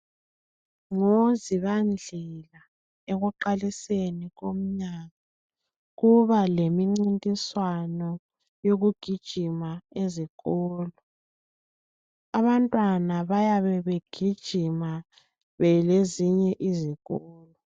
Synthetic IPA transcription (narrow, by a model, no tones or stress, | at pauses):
ŋoziβand͡ɮʱɛla | eɣuǃaliseniɣom̩ɲaːɣa | ɣuβalemiŋ͡ǀintʼiswanɔ | joɣuɡ̥ʱid̥ʒ̥ʱimaeziɣɔːlɔ | aβantʼwanaβajaβɛβeɡ̥ʱid̥ʒ̥ʱima | βɛleziɲɛʔiziɣɔːlɔ